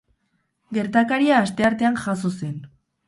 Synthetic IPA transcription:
ɡe̞ɾt̪akaɾiaːst̪e̞aɾt̪e̞anʝasose̞n

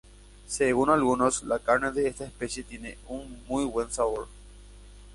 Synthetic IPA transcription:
seɣunalɣunoslakaɾneðeest̪aespesjet̪jeneuŋmujβwe̞nsaβoɾ

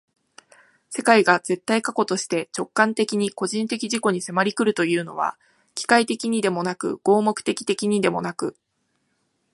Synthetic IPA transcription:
se̞kaiɡaz̥e̞t̪ːaikako̞t̪o̞ɕi̥t̪e̞t͡ɕo̞kːãnt̪e̞kʲiɲ̟iko̞ʑĩnt̪e̞kʲiʑiko̞ɲ̟ise̞maɾʲikɯ̟ɾɯ̟t̪o̞jɯ̟ːno̞̰β̞a̰ | kʲi̥kait̪e̞kʲiɲ̟id̪e̞mo̞nakɯ̟̰ɡ̥o̞ːmo̞kɯ̟̥t̪e̞kʲi̥t̪e̞kʲiɲ̟id̪e̞mo̞̰nakɯ̟

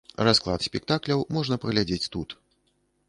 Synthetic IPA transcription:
rasklˠa̰t̪sʲpʲɛk̚t̪aklʲɐwmɔʐnɐpɐɣlʲad͡zʲet͡sʲt̪ut̪

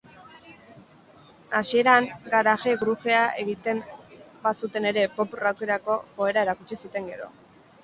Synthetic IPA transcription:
asie̞ɾaŋɡaɾaʝeɣɾuxe̞ae̞ɣit̪e̞m | basut̪e̞ne̞ɾe̞po̞purawke̞ɾako̞fo̞e̞ɾae̞ɾakut͡ʃisut̪e̞ŋɡe̞ɾo̞̰

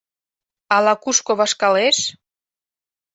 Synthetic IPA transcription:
ɑlɑkuʃkoβɑʃkɑleʃ

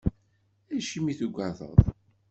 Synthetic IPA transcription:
æʃimiθuɡʷːaðˤə̰ðˤ

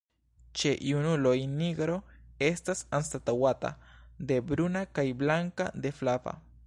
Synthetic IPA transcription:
t͡ʃeʔjunulojniɡɾoest̪asanst̪at̪awat̪a̰d̪ebɾunakajblaŋka̰d̪eflava̰

